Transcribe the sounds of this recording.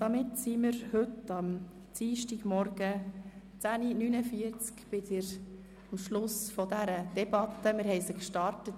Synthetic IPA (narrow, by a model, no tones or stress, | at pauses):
d̥ɑmɪtsimɪɾhɵtɑm | t͡siːʃtiɡ̥mɔɾɡ̥ə | t͡sæninynəfiəɾt͡skb̥ɪdɪɾ | ɑmʃlʊsfɔdæɾəd̥ɛbɑt̪ːəmɪɾɦɛɪsəkʃtɑrtət